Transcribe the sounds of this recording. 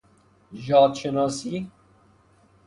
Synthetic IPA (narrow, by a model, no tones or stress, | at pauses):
ʒɑːt̪ʃənɑːsiː